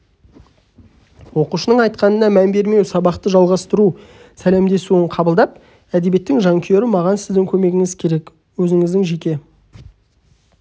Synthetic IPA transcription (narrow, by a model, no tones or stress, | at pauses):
wo̞quʃənəɴɑjt̪qɑnənɑmænbe̞ɾme̞wsɑbɑqt̪əʒɑlˠʁɑst̪əɾu | sæle̞md̪e̞suəɴqʰɑbəlˠd̪ɑp̚ | æd̪ebje̞t̪ːɪŋʒɑŋkʲʰje̞ɾɪmɑʁɑnsɪzd̪ɪŋkʲʰɵme̞ɡʲɪŋɪzkʲʰe̞ɾe̞k | wɵzɪŋɪzd̪ɪŋʒe̞kʲe̞